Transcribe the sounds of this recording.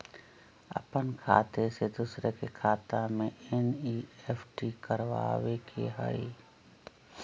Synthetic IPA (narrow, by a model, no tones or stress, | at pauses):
ɐ̰pənkʰa̰ːt̪esed̪usɾekekʰaːt̪amẽɛniːɛpʰʈikəɾʋa̰ːʋekʰḛɦə̰i